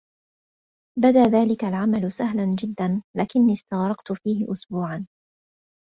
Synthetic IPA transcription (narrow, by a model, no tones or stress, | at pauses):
bad̪aːðaːlɪkalʕamalʊsaɦland͡ʒɪd̪ːanlaːkɪnːiːst̪aɣɾˤɑqt̪ʊfiːɦɪ̰ʔʊsbuːʕan